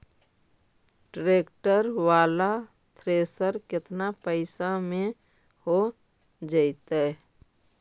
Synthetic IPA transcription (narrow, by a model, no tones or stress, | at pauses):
ɖɾeːkʈəɾwaːla | t̪ʰɾeːsəɾkɪt̪napəɪsamẽ | ho | d͡ʒəɪt̪ɛ